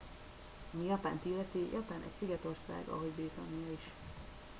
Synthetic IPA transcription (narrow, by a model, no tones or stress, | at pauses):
ɒmijɒpa̰ːnt̪ilːɛt̪ijʔɒpaːnʔɛ̰c̚siɡɛt̪o̞rsa̰ːɡɒ̰ɦo̞ɟbriːt̪ɒnijɒiʃ